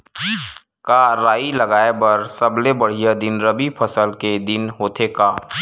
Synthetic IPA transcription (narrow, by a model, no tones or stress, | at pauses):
kaɾaːilɐɡaːebɐɾsɐblebɐɽ̤ijad̪ɪnɾɐbipʰɐsəlked̪ɪnɦoːt̪ʰeːkaː